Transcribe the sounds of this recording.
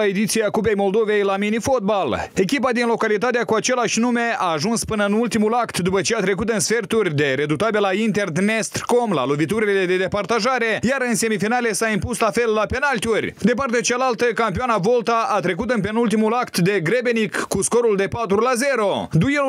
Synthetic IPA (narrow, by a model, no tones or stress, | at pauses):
ae̞d̪it̪siakupe̞jmo̞ld̪o̞ve̞jlaminifo̞t̪̚bale̞kʲipad̪inlo̞kalit̪at̪̬eakuat͡ʃe̞laʃʲnume̞aːʒunspɨnəɨnult̪imulakt̪d̪upət͡ʃe̞at̪ɾe̞kut̪ɨnsfe̞rt̪urʲd̪e̞ɾe̞d̪ut̪abelaint̪e̞rd̪nest̪rko̞mla̰lovit̪uɾilele̞d̪e̞d̪e̞part̪aʒaɾe̞jaɾɨnse̞mifinale̞saimpuslafe̞lːape̞nalt̪iurʲd̪e̞part̪eat͡ʃalalt̪əkampioanavo̞lt̪aʔat̪ɾe̞kut̪ɨnp̬e̞nult̪̬imulakt̪d̪e̞ɡɾebenikːusko̞ɾuld̪e̞pat̪ɾulaze̞ɾo̞d̪ue